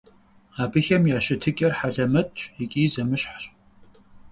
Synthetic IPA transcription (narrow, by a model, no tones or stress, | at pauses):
aːbɨxɐmjaːɕɪtʰɨkʲʼɐrħaɮɐmɐtʼt͡ʃʼekʲʼiːzɐmɨɕħɕʼ